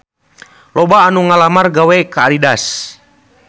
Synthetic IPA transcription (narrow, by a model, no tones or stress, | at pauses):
lɔbaːnuŋalamarɡawɛkaːlidas